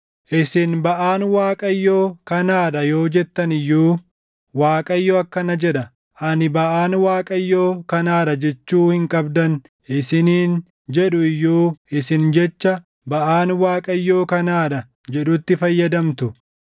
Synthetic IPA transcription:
ʔɪsɪnbɐʔaːnwaːkʼɐjːo̞ːkɐnaːᶑɐjo̞ːd͡ʒɛt̪ːɐnɪjːuː | waːkʼɐjːoːɐkːɐnɐd͡ʒɛᶑɐ | ʔɐnɪbɐʔaːnwaːkʼɐjːoːkɐnaːᶑɐd͡ʒɛt͡ʃːuːhɪŋkʼɐbd̪ɐn | ɪsɪniːn | d͡ʒɛᶑʊɪjːuːɪsɪnd͡ʒɛt͡ʃːɐ | bɐʔaːnwaːkʼɐjːo̞ːkɐnaːᶑɐ | d͡ʒɛᶑʊt̪ːɪfɐjːɐd̪ɐmt̪ʊ

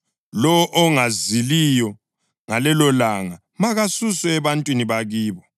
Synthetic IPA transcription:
lɔwɔʔɔŋazilijɔ | ŋalɛlɔlaŋa | maɣasusɛɛβantʼwiniβaɣiːβɔ

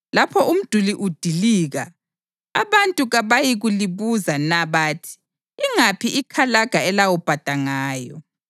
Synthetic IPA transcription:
lapʰɔum̩d̥ʱuliʔud̥ʱiliːɣa̰ | a̰βantʼuɣaβajiɣuliβuzanaβaːtʰi̥ː | ŋapʰiʔikʰalaɡ̥ʱaɛlawɔb̥ʱad̥ʱaŋaːjɔ̰

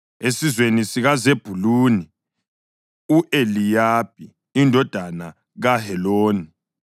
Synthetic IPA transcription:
esizwenisiɣazeb̥ʱuluːni | uʔelijab̚iː | ndʱɔd̥ʱana | ɣahɛloːni

